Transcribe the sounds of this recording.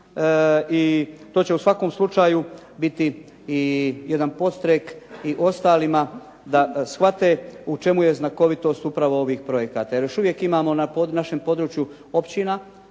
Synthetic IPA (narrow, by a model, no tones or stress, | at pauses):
it̪ot͡ɕe̞usʋako̞ːmslˠut͡ʃaːjubit̪iː | je̞d̪anpo̞t̪st̪ɾekiʔo̞st̪aːlima | d̪asxʋat̪e̞ut͡ʃe̞muje̞znako̞ʋit̪o̞ːst̪upɾaʋoo̞ʋiːxpɾo̞je̞kat̪aje̞ɾjoʃuʋje̞kimaːmo̞naponaʃe̞mpo̞d̪ɾut͡ʃju | o̞pt͡ɕina